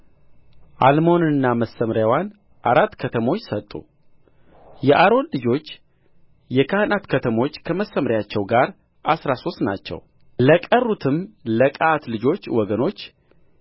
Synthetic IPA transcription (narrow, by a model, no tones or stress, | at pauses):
ʔalmo̞nɨnːaməsːəmɾjawan | ʔaɾat̪ːkʰət̪ʰəmo̞t͡ʃːsət̪ʼːṵ | jɛʔaɾo̞nlɨd͡ʒo̞t͡ʃː | jɛkʰahɨnat̪kʰət̪ʰəmo̞t͡ʃːkʰəməsːəmɾjat͡ʃːɛwɡaɾ | ʔasɾaso̞st̪na̰t͡ʃːɛ̰w | ləkʼərːut̪ʰɨmləkʼat̪lɨd͡ʒo̞t͡ʃːwɔɡəno̞t͡ʃː